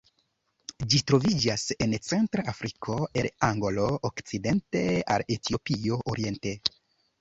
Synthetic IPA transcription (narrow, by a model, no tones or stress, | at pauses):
d͡ʒitɾo̞vid͡ʒase̞nt͡se̞ntɾaafɾikʰo̞e̞laŋɡolo̞okt͡side̞nte̞a̰letio̞pio̞ʔoɾie̞nte̞